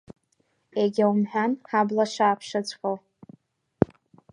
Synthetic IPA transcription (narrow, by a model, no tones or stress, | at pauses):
eɡʲawmħʷᶣanħablaʃaːpʰʂat͡ɕʷʰʼxow